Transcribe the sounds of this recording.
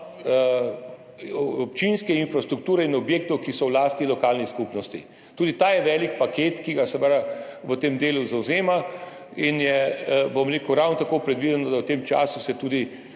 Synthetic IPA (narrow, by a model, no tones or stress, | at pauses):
ɔpt͡ʃinskɛinfɾast̪ɾuk̚t̪uːɾɛinɔbjeːkt̪ɔwkisɔwlaːst̪ilɔkaːlniskupnɔst̪ḭ | t̪uːd̪it̪aːjɛʋɛːlikpakeːt̪kiɡasɛbəɾaʋət̪eːmd̪eːluzawzeːma | injɛbomɾeːkəwɾawnɔt̪akoːpɾɛd̪ʋid̪ɛnɔd̪awt̪eːmt͡ʃa̰ːsusɛt̪uːd̪i